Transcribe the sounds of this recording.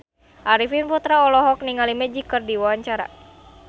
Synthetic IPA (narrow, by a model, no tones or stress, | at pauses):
ʔaɾifinput̪ɾaɔlɔɦɔk̚niŋalimɛd͡ʒikɨrdiwawaɲt͡ʃaɾa̰